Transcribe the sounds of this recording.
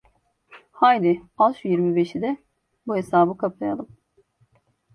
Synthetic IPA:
hajd̪ialˠʃjiɾmibeʃid̪ɛ | buɦesaːbɯkʰaplˠaja̰lˠɯm

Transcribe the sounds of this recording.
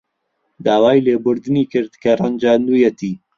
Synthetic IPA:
d̪aːwaːjleːbʊɾd̪ɨniːkɨɾd̪kʰɐrˤɐnd͡ʒaːnd̪uːjɛt̪iː

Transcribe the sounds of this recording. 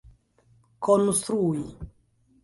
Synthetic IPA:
kʰonst̪ɾui

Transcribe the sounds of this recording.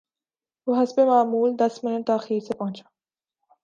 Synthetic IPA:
ʋoɦɐspemaːmuːld̪ɐsmɪnəʈt̪aːxiːɾsepɐɦʊ̃t͡ʃaː

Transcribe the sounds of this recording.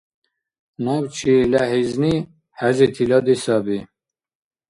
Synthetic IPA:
nɑːbt͡ʃʰilɛɦezni | hæzet̪ʰilɑd̪esɑbi

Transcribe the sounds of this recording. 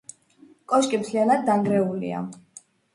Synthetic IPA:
kʼɔʃkʼimt̪ʰlianad̪ːaŋɡɾɛulḭa̰

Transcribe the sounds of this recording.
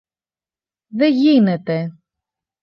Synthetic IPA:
ðeʝinet̪e

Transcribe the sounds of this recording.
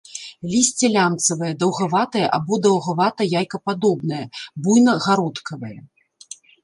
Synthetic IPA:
lʲisʲt͡sʲɛlʲant̪sɐvɨjɐd̪ɐwɣavat̪ɐjɛʔabɔd̪ɐwɣavat̪ɐjajkɐpad̪ɔbnɐjɐbujnɐɣaɾɔt̪kʰɐvɐjɐ

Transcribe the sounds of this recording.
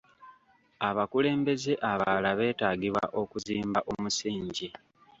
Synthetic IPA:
aβakule̞ːmbe̞ze̞ʔaβalaβe̞ːtaːɡiβwa̰ʔo̞kuziːmbaʔo̞musiːɲɟi

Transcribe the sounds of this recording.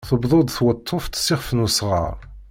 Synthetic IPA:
θəbðˤod̪ˤθwət̪ˤʰːoft̪sɪʁfnusʁɑ̰ʁ

